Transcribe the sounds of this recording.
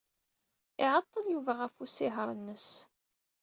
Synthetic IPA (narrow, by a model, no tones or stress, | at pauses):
ɪʕət̪ˤːəljuvæʁæfusɪɦəɾˤənːəs